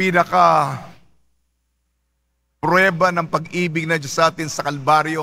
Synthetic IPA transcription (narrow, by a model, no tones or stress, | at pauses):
pinɐkɐ | pɾwɛːbɐnɐŋpɐɡʔiːbɪɡ̚nɐd͡ʒosʔaːt̪ɪnsɐkɐlbaɾjo